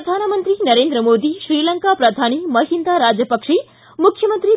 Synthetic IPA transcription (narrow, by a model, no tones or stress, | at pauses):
ɐd̪ʱanəmənt̪ɾinəɾẽnd̪ɾəmod̪iʃɾiləŋkapɾəd̪ʱañiməɦind̪aɾad͡ʒjəpəkʂi | mukʰjəmənt̪ɾi